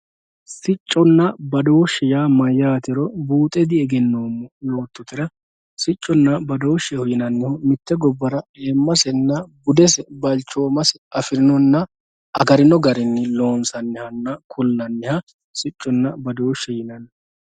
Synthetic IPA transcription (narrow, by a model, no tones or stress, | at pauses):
sɪt͡ʃʼːɔnːɐbɐd̪oːʃːɛjaːmɐjːaːt̪ɪɾɔbuːt̪ʼɛd̪ɪɛɡɛnːoːmːɔjo̞ːt̪ːʊt̪ːɪɾɐ | sɪt͡ʃʼːɔnːɐbɐd̪o̞ːʃɛhɔjɪnɐnːɪhɔmɪt̪ːɛɡɔbːɐɾɐeːmːɐsɛnːɐbʊd̪ɛsɛbɐlt͡ʃːoːmɐsɛɐfɪɾɪnɔnːɐ | ʔɐɡɐɾɪnɔɡɐɾɪnːɪlo̞ːnsɐnːɪhɐnːɐkʰʊlnɐnːɪhɐ | sɪt͡ʃʼːɔnːɐbɐd̪o̞ːʃːɛjɪnɐn